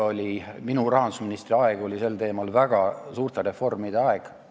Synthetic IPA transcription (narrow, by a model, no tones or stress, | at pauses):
o̞lʲiminurɑɦɑnd̪usminist̪riɑeɡ̥o̞lʲise̞lt̪e̞ːmɑlvæɡ̥ɑsuːrt̪eɾe̞fo̞rmid̪eɑeɡ̥